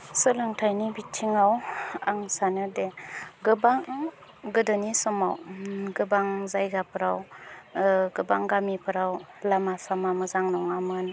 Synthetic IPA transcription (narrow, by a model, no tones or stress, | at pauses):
sɯlɯŋtʰajnibitʰiŋawaŋsanɯdeɡɯbaŋ | ɡɯdɯnisɔma̰wɡɯbaŋzajɡapʰɯɾaw | ɡɯbaŋɡamipʰɯɾawlamasamamɯzaŋnɔŋamɯn